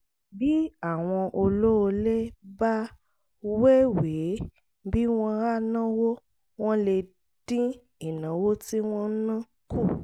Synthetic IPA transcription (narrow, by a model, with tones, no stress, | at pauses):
bi˦a˦˨w̃ɔ̃˧ʔo˧lo˦o˧le˦ba˦ | we˦we˨˦ | bi˦w̃ɔ̃˦ɾa˦˨nã˦wo˦ | w̃ɔ̃˦le˧ | d̥ĩ˦ | i˨nã˨˦wo˦ti˦w̃ɔ̃˦nã˦ | ku˦˨